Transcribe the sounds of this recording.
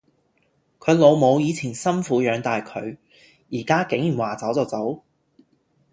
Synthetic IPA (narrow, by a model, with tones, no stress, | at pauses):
kʰɵ˨˧ɥlo˨˧wmo˨˧wjiː˨˧t͡sʰiː˨˩nsɐ˥nfuː˨˥jœː˨˧ŋt̪aː˨jkʰɵ˨˧ɥ | jiː˨˩kaː˥kɪ˨˥ŋjyː˨˩waː˨˩t͡sɐ˨˥wt͡sɔ˨˧wt͡sɐ˨˥w